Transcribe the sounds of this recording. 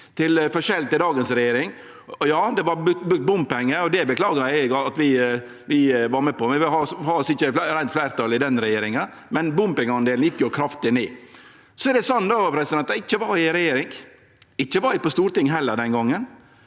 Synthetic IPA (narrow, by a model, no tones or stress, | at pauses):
t̪ʰɪlfɔɾʃɛlt̪ɪd̪ɑːɡənsɾɛjeːɾɪŋ | jɑːd̪ɛʋɑɾbbʉk̚t̪̚bʊmpɛŋːəɔd̪ɛbəkʰlɑːɡɑæɡɑɑt̪ʋɪ | ʋɪʋɑɾmɛːpɔmʋɪhɑhɑːsɪçːəɾæɪnt̪flæɪɾt̪ɑlɪd̪ɛnɾɛjeːɾɪŋən | mɛnbʊmpɪŋɑnd̪eːln̩jɪkːjʊkʰɾɑft̪ɪneː | sɔɛd̪ɛsɑnːd̪opʰɾɛsɪd̪ɛnt̪ɑɪçːəʋɑɾɪɾɛjeːɾɪŋ | ɪçːəʋɑɾɪpɔst̪uːɾt̪ɪŋːɦɛlːəɾɖ̪ɛnɡɔŋːən